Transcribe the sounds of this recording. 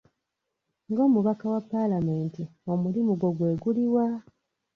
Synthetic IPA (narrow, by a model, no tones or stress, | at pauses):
ŋɡo̞ːmuβakawapːalame̞ːntiomulimuɡo̞ɡwe̞ːɡuliwa